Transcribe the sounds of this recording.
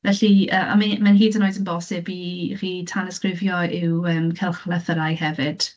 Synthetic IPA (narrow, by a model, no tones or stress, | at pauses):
vɛɬiəːmʔa̰mamanɦiːdənoːɨdənbɔsɪbir̥iːtʰanəskrɪvjɔɪwəːmkʰɛlˠχlˠəθəɾajhɛvɪd̥